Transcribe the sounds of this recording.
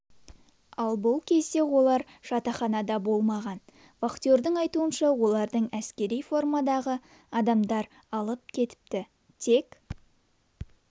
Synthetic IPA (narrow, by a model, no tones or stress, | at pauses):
ɑlˠbʊlˠkʲʰe̞zd̪e̞wo̞lˠɑɾ | ʃɑt̪ɑχɑnɑd̪ɑbo̞lˠmɑʁɑn | faqt̪ijo̞ɾd̪əɴɑjt̪uənʃɑwo̞lˠɑɾd̪əɴæskʲe̞ɾijfo̞rmɑd̪ɑʁə | ɑd̪ɑmd̪ɑɾ | ɑlˠəp̚kʲʰe̞t̪ɪ̥p̚t̪ɪ | t̪ʰe̞k